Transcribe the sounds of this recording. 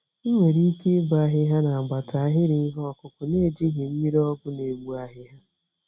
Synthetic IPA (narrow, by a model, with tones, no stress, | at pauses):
i˦ŋʷe˨ɾi˦ke˦ɡ͡ba˦ɦɪ˦ɦa˦na˨ɡ͡ba˨ta˨a˦˨ɦɪ˦ɾɪ˨˦ɦɔ˦ɔ˨kʊ˨kʊ˨ne˦˨d͡ʒi˦ɦɪ˨m̩˦mi˦ɾɔ˦ɡʊ˦ne˨wu˦a˦ɦɪ˦ɦa˦